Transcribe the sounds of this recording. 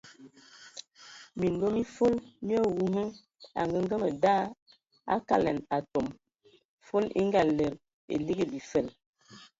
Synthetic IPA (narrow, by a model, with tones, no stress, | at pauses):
mi˨ndo˦mi˦fo˦lmi˦ɔ˦wu˦ɦə˦ | a̰˨ŋɡə˦ŋ˦ɡə˦mə˨daː˦˨ | a̰˦ka̰˦˨lɛ̰˨na˨to˨m | fo˦lḭ˦ŋ˦ɡa˨lə˨ɾ | ḛ˨li˦ɡi˦bi˨fə˦˨l